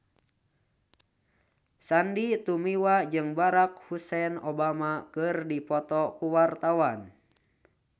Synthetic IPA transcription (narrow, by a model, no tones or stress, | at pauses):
sandit̪umiwad͡ʒɨŋbaɾak̚husɛnɔbamakɨrdipɔt̪ɔkuwart̪awan